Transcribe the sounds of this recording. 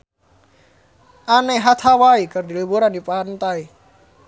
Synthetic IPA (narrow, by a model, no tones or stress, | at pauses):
anajɦat̪ʰawaikaɾdiɯboɾanipant̪aj